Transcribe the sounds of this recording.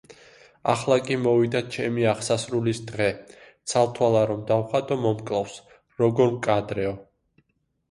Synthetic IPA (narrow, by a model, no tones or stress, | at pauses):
a̰χlˠakʼimɔvid̪at͡ʃʰɛmiaχsasɾulisd̪ʁɛt̪sʰalˠt̪ʰwalˠaɾɔmd̪awχat̪ʼɔmɔmkʼlˠafs | ɾɔɡɔɾmkʼad̪ɾɛɔ